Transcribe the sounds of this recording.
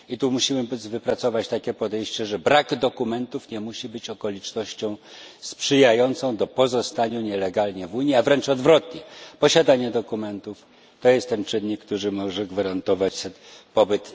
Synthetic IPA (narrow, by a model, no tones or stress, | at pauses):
it̪umuɕimɘvɘpɾat̪sɔvat͡ɕt̪akʲɛpɔd̪ɛjɕt͡ɕɛʐɛbɾaɡd̪ɔkumɛnt̪ufɲɛmuɕibɘt͡ɕɔkɔlʲit͡ʂnɔɕt͡ɕɔ̃w̃spʂɘjajɔnt̪sɔ̃w̃d̪ɔpɔzɔst̪aɲuɲɛlɛɡalɲɛvuɲiavɾɛnt͡ʂɔd̪vɾɔt̪ɲɛpɔɕad̪aɲɛd̪ɔkumɛnt̪uf | t̪ɔjɛst̪ːɛnt͡ʂɘnːikːt̪uɾɘmɔʐɛɡvaɾant̪ɔvat͡ɕsɛ | pɔbɘt̪